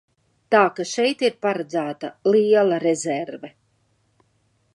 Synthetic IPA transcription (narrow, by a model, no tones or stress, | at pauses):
t̪aːkaʃɛjt̪iɾpaɾad̪zæːt̪aliɛlˠaɾezɛɾvɛ